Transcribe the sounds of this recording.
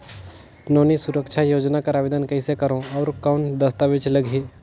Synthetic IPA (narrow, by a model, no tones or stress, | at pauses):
nonisuɾəkt͡ʃʰajod͡ʒnakəɾabed̪ənkəɪsekəɾõɔʊɾkaʊɳd̪əst̪abit͡ʃləɡʱi